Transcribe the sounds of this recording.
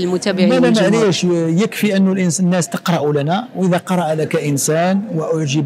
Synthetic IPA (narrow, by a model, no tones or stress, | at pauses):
lmʊt̪æbʕælæməʕɾəæʃjəkfiʔənːʊlʔənnːæst̪əqɾˤɑʔulænæwʔəðæqɑɾˤɑʔlækæʔənsænwʔʊʕʒəb